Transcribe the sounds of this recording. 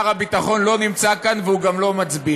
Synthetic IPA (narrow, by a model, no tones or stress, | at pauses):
ʁabit̪aχo̞nlo̞nimt͡sakanveuɡamlo̞mat͡sbi